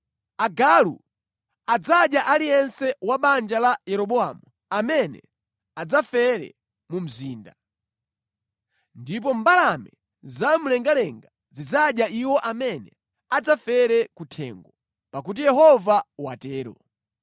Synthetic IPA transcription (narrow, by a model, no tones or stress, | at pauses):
aɡalṵ | ad͡zaɗjaʔalijɛnsɛwaɓand͡ʒalajɛɾɔɓɔamu | amɛnɛ̰ | ad͡zafɛɾɛ̰ | mum̩ziːnda | ndip̬ɔm̩balamɛ | zamulɛŋɡalɛŋɡa | zid͡zaɗjaiwɔʔamɛnɛ | ad͡zafɛɾɛkutʰɛ̰ːŋɡɔ | pak̬ut̬ijɛɦɔvawatɛːɾɔ̰